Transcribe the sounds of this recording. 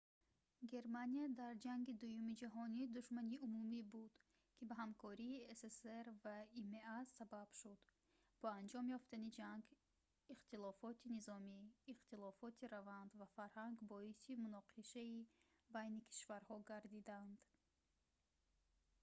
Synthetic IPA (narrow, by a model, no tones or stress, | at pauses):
ɡe̞ɾmaniad̪aɾd͡ʒaŋɡid̪ujumid͡ʒaɦɔnid̪uʃmaniumumibud̪̥ | kʰibaɦamkʰɔɾiːeseseɾvaimeasabab̥ʃud̪ | b̥ɔand͡ʒɔmjɔft̪anid͡ʒaŋɡ | iχt̪ilɔfɔt̪ʰinizɔmiːχt̪ilɔfɔt̪ʰiɾavand̪vafaɾhaŋɡbɔisimunɔqʰiʃaibajnikʰi̥ʃvaɾhɔɡaɾd̪id̪and̪̥